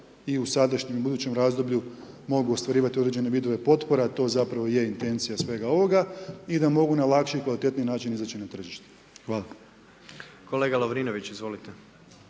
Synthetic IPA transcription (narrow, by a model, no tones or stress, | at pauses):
iusad̪aʃɲemibud̪uːt͡ɕe̞mɾaːzd̪o̞bʎu | mo̞ɡuost̪ʋaɾiːʋat̪iod̪ɾe̞d͡ʒe̞ne̞ʋid̪o̞ʋe̞po̞t̪po̞ɾeat̪o̞zapɾaʋo̞je̞int̪e̞nt̪sijasʋe̞ɡao̞ʋo̞ɡaid̪amo̞ɡunalˠakʃikʋalit̪e̞t̪ninaːt͡ʃinizat͡ɕinat̪r̩ʒiʃt̪e̥ | xʋaːla | kʰo̞leɡalˠoʋɾinoʋit͡ɕizʋo̞lit̪e